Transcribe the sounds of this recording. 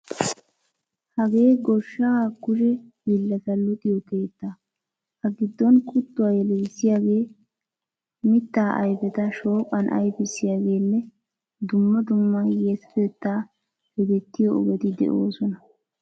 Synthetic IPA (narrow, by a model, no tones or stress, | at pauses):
hɐɡe̞ːɡɔʃːakʊʃɛhilːɐt̪ɐlʊt̪ʼɪjɔkeːt̪ːa | hɐɡɪd̪ːɔnkʰʼʊt̪ːʊwaːjɛlɛːsːɪjaːɡe̞ː | mɪt̪ːaːʔɐ̰jbɛt̪ɐʃo̞ːkʼːɐnʔɐ̰jbɪsːɪjaːɡe̞ːlːɛ | d̪ʊmːɐd̪ʊmːɐjeːsfeːt̪ːaː | hɛd̪ɛt̪ːɪjɔɔ̰ɡɛt̪ɪd̪ɛ̰ʔo̰ːsɔnɐ